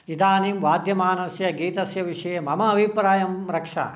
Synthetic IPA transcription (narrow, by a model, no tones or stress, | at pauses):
id̪aːniːmʋaːd̪ʱjɐmaːnɐsjɐɡiːt̪ɐsjɐʋiʂɐjemɐmɐːbʱipɾaːjɐmɾɐkʂa̰ː